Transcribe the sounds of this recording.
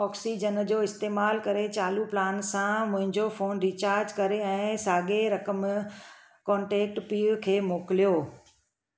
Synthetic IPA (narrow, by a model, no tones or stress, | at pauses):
ɔːksid͡ʑən̆d͡ʑoːɪst̪eːmaːlkɐɾet͡ɕaːluplaːnsãmʊ̃ɦɪ̃ɲd͡ʑofoːnɾit͡ɕaːɾd͡ʑkɐɾeɛ̃ːsaːɠeɾɐkəm | kɔ̃ːɳʈeːk̚ʈpiːkʰeːmoːkɪlijoː